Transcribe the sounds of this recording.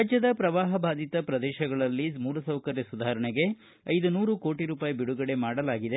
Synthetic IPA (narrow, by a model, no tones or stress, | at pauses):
ad͡ʒjɐd̪ɐpɾɐʋaːɦɐbʱaːd̪it̪ɐpɾɐd̪ɛːʃɐɡɐɭɐlːimuːlɐsɐwkɐɾjɐsud̪ʱaːɾɐɳeɡe̞ | ɐjd̪unuːɾuko̞ːʈiɾuːpaːjibiɽuɡɐɽe̞maːɽɐlaːɡid̪e